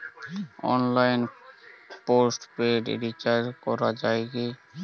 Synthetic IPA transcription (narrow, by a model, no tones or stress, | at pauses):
ɔ̰nlajn | posʈpeɖ̰ɖit͡ʃaɾkɔɾad͡ʑajɡe